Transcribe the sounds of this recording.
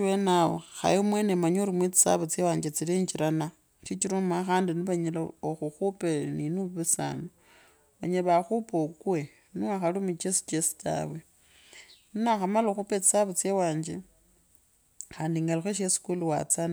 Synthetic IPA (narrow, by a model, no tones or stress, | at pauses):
wenawo̰xa̰jiomwenemaɲoɾimwit͡si̥sa̰βat͡sewaːɲd͡ʒet͡siliɲd͡ʒiɾana | ʃit͡ʃiɾomaxaːndiniβaɲelaoxuxupeninuβisa̰ːno | βaɲeβaxupokwe | niaxalumit͡ʃesi̥t͡ʃesi̥ta̰βwe | ninaxamaloxupet͡si̥saβat͡sjewaːɲd͡ʒe | xaːndiŋɡalixweʃ̬esi̥kuluwa̰t͡san